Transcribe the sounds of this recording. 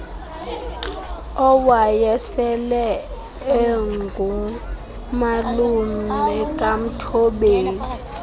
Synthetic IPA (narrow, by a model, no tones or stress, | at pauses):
ɔwajɛsɛlɛ | ɛŋɡʱu | malumɛkʼam̩tʰɔɓeːli